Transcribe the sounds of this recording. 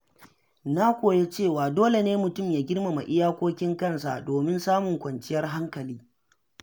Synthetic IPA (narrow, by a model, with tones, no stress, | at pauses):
na˦kʷoː˨je˦t͡ʃeː˦˨waː˨doː˦le˨neː˦mʊ˨tʊ˦˨mjaː˨ɡʲɪ˦rma˨ma˨ʔɪ˦jaː˦kʷoː˦kʲɪ˦ŋkɐ˦˨nsa̰˨doː˨mɪ˦nsaː˦mʊ˨ŋkʷɐ˨nt͡ʃɪ˦jɐ˦rɦa˦ŋkɐ˨liː˦